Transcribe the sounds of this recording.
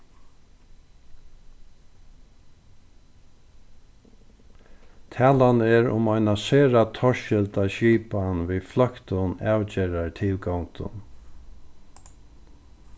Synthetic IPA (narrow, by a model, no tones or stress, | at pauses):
t̪ʰɛːlanɛɾʊ̰maɪnaseːɹat̪ʰɔɹʃʃɪlt̪aɕiːpanʋiflœkt̪ʊnaːwt͡ɕɛːɾaɹt̪ʰɪlkawnt̪ʊ̰n